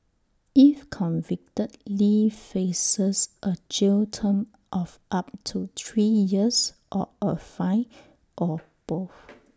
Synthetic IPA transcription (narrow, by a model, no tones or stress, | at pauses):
ifkʰɔ̃nvɪk̚tətlifesəsʔət͡ʃiltʰə̃m | ʔɔfʔap̚tʰut̪ʰɹijiəsʔɔ̰ʔəfaɪ | ʔɔ | b̥of